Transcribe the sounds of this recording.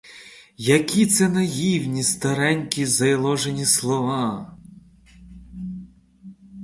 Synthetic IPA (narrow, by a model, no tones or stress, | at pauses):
jɐkʲʰit̪sɛnɐjiwnʲist̪ɐɾɛnʲkʲizɐjlˠɔʒenʲislˠɔʋɑ